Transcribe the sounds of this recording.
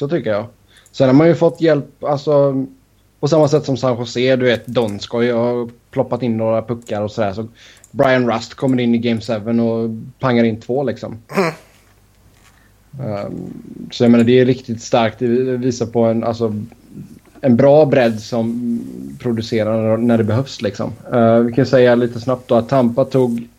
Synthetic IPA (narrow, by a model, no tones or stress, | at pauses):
sɔt̪ʰʏkːəjɑː | sɛnhaɾmanjɵfɔt̪ːjɛlpalsɔ | pɔsamːasɛt̪ːsɔmsanɧʊseːd̪ɵveːt̪d̪ɔnskɔjhaɾpʰlɔpːat̪ɪnːoːɾapɵkːaɾɔsɔd̪æːʂɔbɾaɪanɾast̪kʰɔmːəɾɪnːɪɡɛɪmsɛvənɔpʰaŋːaɾɪnt̪ʰvoːlɪksɔ̰m | sɔjɑɡmeːnaɖɛːɾɪkt̪ɪt̪st̪aɾk̚t̪̚d̪ɛviːsaɾpʰɔɛna̰lsɔ | ɛnbɾɑːbɾɛd̪ːsɔmpʰɾʊd̪ɵseːɾanæɖɛbɛɦœfslɪksɔ̰mvɪkʰansɛjːaliːt̪əsnap̚t̪̚d̪ɔat̪ʰːampat̪ʰuːɡ